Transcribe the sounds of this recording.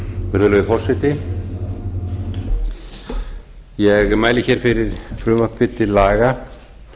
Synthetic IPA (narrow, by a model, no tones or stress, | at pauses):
vɛɾðʏlœːðɪfɔr̥sɛjt̪ɪ | jɛɣmaːjlɪçɛːɾ̥fɪɾɪɾ̥fɾʏːmapɪt̪ːɪlaːɣa